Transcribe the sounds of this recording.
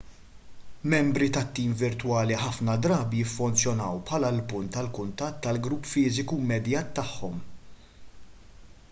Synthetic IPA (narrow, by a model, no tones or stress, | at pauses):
mɛmbɾit̪ɐt̪ːiːmvɪɾt̪wɐːliħɐfnɐd̪ɾɐːbijɪfːʊnt͡sjɔnɐwpħɐlɐlpʊnt̪ːɐlkʊnt̪ɐt̪ːɐlɡɾupːfɪːzɪkumɛd̪jɐːt̪ːɐħːɔm